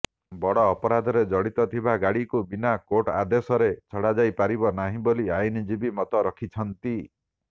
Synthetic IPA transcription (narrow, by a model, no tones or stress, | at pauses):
bɔɽɔːpɔɾad̪ʱɔɾed͡ʒɔɽit̪ɔt̪ʰibaɡaɽikubinakoʈa̰d̪esɔɾet͡ʃʰɔɽad͡ʒajpaɾibɔnaɦĩboliajnid͡ʒibimɔt̪ɔɾɔkʰit͡ʃʰɔnt̪i